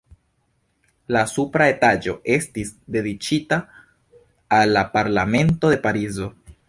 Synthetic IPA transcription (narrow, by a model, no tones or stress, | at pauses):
lasupɾae̞tad͡ʒo̞̰ʔe̞stisde̞dit͡ʃita | lːapaɾlame̞nto̞d̪e̞paɾizo̞